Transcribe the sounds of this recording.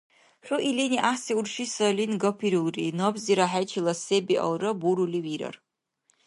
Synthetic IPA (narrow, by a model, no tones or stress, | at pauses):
ɕʷʊʔiliniʔaseurʂisɐlinɡɐpʰiɾulˠrḭnɔbziɾaħajt͡ʃʰilˠɐsebiʔɐ̰lrɐbuɾuliwiɾɐ̰r